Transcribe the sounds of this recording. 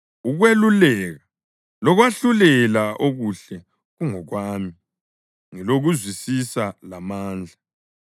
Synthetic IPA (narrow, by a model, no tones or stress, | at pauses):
uɣ̬welulɛɣa | lɔɣwaɬulɛlaʔoɣuɬɛ | ɣuŋɔk̬waːmi | ŋiloɣuzwisisalamaːnd͡ɮʱa